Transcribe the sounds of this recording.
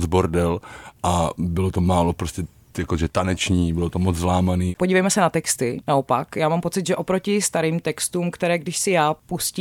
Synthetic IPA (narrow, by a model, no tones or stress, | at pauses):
d͡zboɾdɛlʔabɪlot̪omaːlopɾoscʲɛ | jakoʒɛt̪anɛt͡ʃɲiːbɪlot̪omot͡szlaːmaniːpoɟiːvɛjmɛsɛnat̪ɛkst̪ɪnaopakjaːmaːmpo̞t͡sɪd̪ʒɛʔo̞pɾocɪst̪aɾiːmt̪ɛkst̪uːmkt̪ɛɾɛːɡdɪʃsɪjaːpusciː